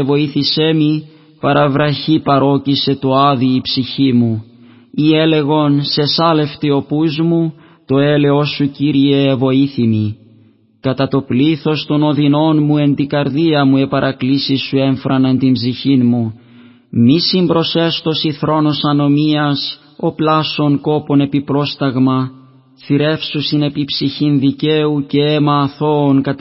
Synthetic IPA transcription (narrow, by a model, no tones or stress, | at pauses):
evo̞iθisemi | pɐɾɐvɾɐçipɐɾo̞cise̞t̪oɐðiːpsiçimu | ie̞le̞ɣo̞nse̞sɐle̞ft̪io̞puzmu | t̪o̞e̞le̞o̞suciɾie̞ːvo̞iθimi | kɐt̪ɐt̪o̞pliθo̞st̪o̞no̞ðino̞nmue̞nt̪ikɐɾðiɐmue̞pɐɾʔɐklisisːue̞ɱfɾɐnɐnt̪imbziçinmu | misimbɾo̞se̞st̪o̞siθɾo̞no̞sɐno̞miɐs | o̞plɐso̞ŋko̞po̞ne̞pipɾo̞st̪ɐɣmɐ | θiɾe̞fsusine̞pipsiçinðice̞uce̞emɐːθo̞ːŋkɐ